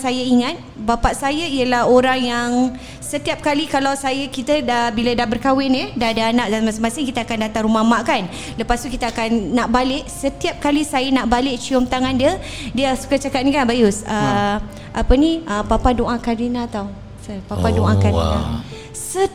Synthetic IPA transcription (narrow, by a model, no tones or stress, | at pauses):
sajəiŋat̪̚bapaʔsajəiəlahoɾaŋjaŋ | sət̪iap̚kalikalawsajəkit̪əbilədahbərkawɪnədaadaanaʔ̚damãsamasɪŋkit̪əakandat̪aŋɾumamaʔkan | ləpast̪ukit̪əakanːaʔbalɪʔsət̪iap̚kalisajənaʔbalɪʔt͡ʃiɔmt̪aŋandiə | diəsu̥kat͡ʃakat̪̚nĩkanbajʊsə | ʔapəniʔəpapadoʔãkaɾinãt̪aw | səpapadoʔakaɾḭa̰ | sə